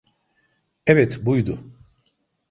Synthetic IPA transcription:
eβɛt̪bujd̪ʊ

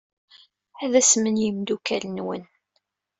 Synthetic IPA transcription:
æðæsmənjəmd̪ukælnwə̰n

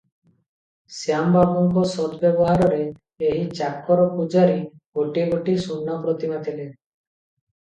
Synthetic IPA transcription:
sjambabɔŋkɔsɔd̪bjɔbɔɦaɾɔɾeː | ɦit͡ʃakːɔɾɔpud͡ʒaɾiɡoʈiɡoʈisunːɔpɾɔt̪imat̪ʰile

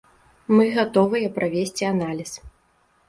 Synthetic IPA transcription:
mɨɣat̪ɔvɨjɐpɾʔavʲesʲt͡sʲianalʲis

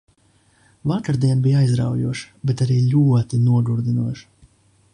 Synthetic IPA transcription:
vakaɾd̪iɛnbijajzɾa̰wjṵɔʃbet̪aɾiːlʲuɔt̪inuɔɡuɾd̪inuɔʃ

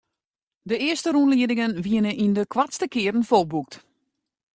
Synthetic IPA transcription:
dəɪəstəɾunliədɪŋənʋiənəʔindəkʰwatstəkɪəɾn̩folˠbuk̚t

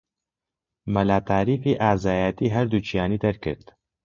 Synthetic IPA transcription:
mɐlaːt̪ʰaːɾiːfiʔaːzaːjat̪iːɦɐɾd̪uːt͡ʃʰijaːniːd̪ɐɾkɨ̰ɾd̪

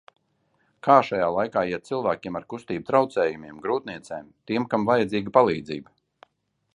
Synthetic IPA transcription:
kʰaːʃajaːlˠajkaːiɛt̪̚t̪silˠvæːkʲiɛmaɾkust̪iːb̚t̪ɾawt̪sɛːjumiɛmɡɾuːt̪̚niɛt̪sɛːmt̪iɛmkamvajad̪ziːɡpalˠiːd̪ziːb

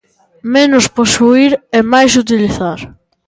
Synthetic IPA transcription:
menʊsposuiɾɛmajs̬ut̪̬iliθaɾ

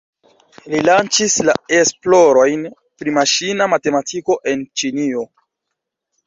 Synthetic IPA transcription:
lilant͡ʃislae̞splo̞ɾo̞jn | pɾimaʃinamate̞matʰiko̞ʔe̞nt͡ʃinio̞

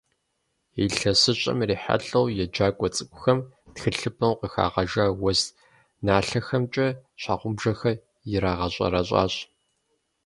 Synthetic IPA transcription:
iːɬɐsɨɕʼɐ̰mriːħa̰ɬɐwjɛd͡ʒaːkʷʼɔt͡sʼɨkʷʼʊxɐmtxɨɬɨpʰɐwqəxa̰ːʁɐʒaːwɔs | naːɬɐxɐmt͡ʃʼɐɕʷa̰ːqʷʊmbʒɐxɐ | jɪɾaːʁɐɕʷʼɐ̰ɾɐɕʼa̰ːɕ

